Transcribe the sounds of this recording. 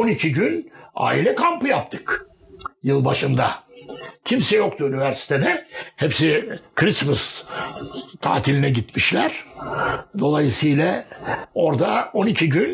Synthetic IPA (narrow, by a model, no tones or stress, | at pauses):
onicʰiɟyna̰ːilʲɛkʰampɯjap̚t̪ʰɯ̥k | jɯlˠbaʃɯnd̪a | cʰimsɛjo̞k̚t̪ʰuynivæɾsi̥t̪ʰed̪ɛhepsɪkʰɾismɯs | t̪ʰa̰ːt̪ʰilʲinɛɟit̪miʃlʲæɾ̥ | d̪o̞lˠajɯsɯjlʲˠa | o̞ɾd̪ao̞nicʰiɟyn